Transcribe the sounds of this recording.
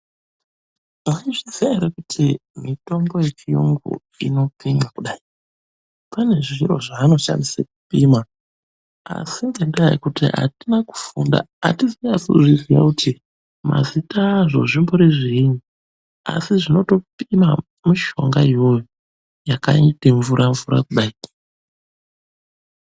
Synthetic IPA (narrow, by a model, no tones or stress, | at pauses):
aiʐiziaɾekutʰimito̞mbo̞je̞t͡ʃiṵŋɡṵ | ḭno̞pimakuɗaːi | pane̞ʐiɾo̞̰ʐaːno̞ʃa̰ndisek̚u̥pima | a̰sinde̞ndaḭkutḭɦa̰tinaku̥funda̰ | a̰tiziasuʐizija̰kutʰi | ma̰zitaʐo̞̰ʐimbo̞ɾeʐiinu | a̰siʐino̞to̞pima | muʃo̞ŋɡaijo̞jo | jakaiteɱvuɾʔaɱvuɾa̰kuɗai